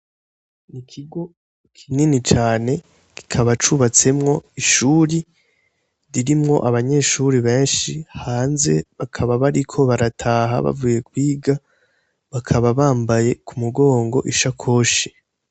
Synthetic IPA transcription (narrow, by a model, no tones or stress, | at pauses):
nikʰiɡo̞ | kʰininit͡ʃaːne̞ | ki̥kʰaβat͡ʃuβat͡se̞mŋo̞iʃuːɾi | ɾiɾimŋo̞̰ʔaβaɲe̞ʃuɾiβe̞ːnʃihaːnze̞̰βakʰaβaβaɾikʰo̞βaɾatʰaːɦa̰βa̰vuje̞kwiːɡa | βakʰaβaβaːmbaje̞kumuɡo̞ːŋɡo̞̰ʔiʃakʰo̞ːʃe̥